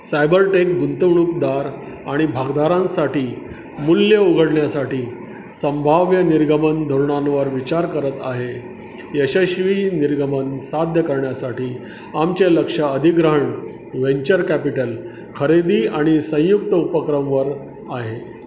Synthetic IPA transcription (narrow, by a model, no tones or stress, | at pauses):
sajbəɾʈekɡunt̪əʋɳukd̪aɾ | aɽ̃ibʱaɡd̪aɾãnsaʈiː | mulːjəuɡʱəɽɳjasaʈiː | sə̃mbʱaʋjəniɾɡəmənd̪ʱuɾɳãnʋəɾʋit͡ɕaɾkəɾət̪aɦe | jəɕəɕʋiːniɾɡəmənsad̪ʱjəkəɾɳjasaʈiː | amt͡ɕeləkʂaəd̪ʱiɡɾəɦəɳ | ʋeɲt͡ɕəɾkæpiʈəl | kʰəɾed̪iːaɽ̃isə̃j̃juk̚t̪əupəkɾəmʋəɾ | aɦe